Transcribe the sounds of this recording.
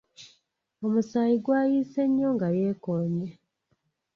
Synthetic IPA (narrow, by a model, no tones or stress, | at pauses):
o̞musaːjiɡwaːjiːse̞ɲːoːŋɡajeːkoːɲe